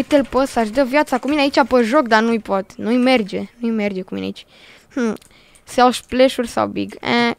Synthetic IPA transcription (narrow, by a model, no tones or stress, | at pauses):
ɨt̪elpəsaʃd̪əvjat̪sakumineait͡ʃʲapəʒok̚d̪anujpot̪nuijme̞rd͡ʒenuijme̞rd͡ʒe̞kuminḛit͡ʃʲ | m̩ | seawʃpleʃurʲsa̰wbḭɡɛ̰